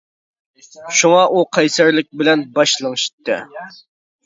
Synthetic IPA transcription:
ʃuŋɑʔuqʰɑjsæɾlɪk̚ʲbɪlɛnbɑʃlˠɨŋɨʃi̥t̪ʰːɪ̰

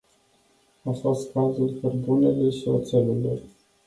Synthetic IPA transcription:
afo̞st̪̚kazulkərbuneleʃiot̪selelor

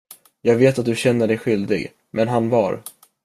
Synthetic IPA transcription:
jɑːɡveːt̪at̪̚d̪ɵɕɛnːəɖɛjɧʏld̪ɪ̰ɡ | mɛnɦanvɑɾ

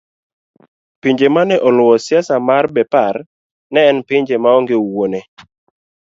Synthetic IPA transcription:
piɲd͡ʒemanɛʔɔlʊɔsɪasamarbɛpaɾ | nɛːnpɪɲd͡ʒemaɔŋɡɪwone

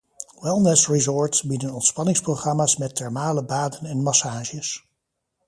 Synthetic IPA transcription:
wɛlˠnɛsɹizɔːɹtsbidənɔntspɑnɪŋsproχrɑmaːsmɛtɛɹmaːləbaːdənɛnmɑsaːʒəs

